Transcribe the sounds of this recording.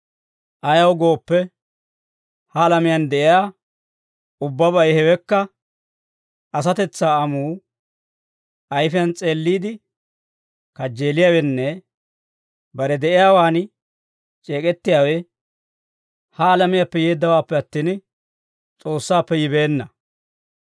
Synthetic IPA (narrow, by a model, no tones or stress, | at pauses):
ʔɐjɐwɡo̞ːpːɛ | hɐːlɐmɪjɐnd̪ɛʔɪjaː | ʊbːɐbɐjhɛwɛkːɐ | ɐs̬ɐt̪ɛt͡sːaːɐmuː | ʔɐjfɪjɐnt͡sʼe̞ːlːiːd̪ɪ | kɐd͡ʒːe̞ːlɪjaːwɛnːɛ | bɐɾɛd̪ɛʔɪjaːwaːn | t͡ʃʼe̞ːkʼɛt̪ːɪjaːwɛ | hɐːlɐmɪjapːɛjeːd̪ːɐwaːpːɛɐt̪ːiːn | t͡sʼo̞ːsːaːpːɛjɪbe̞ːnːɐ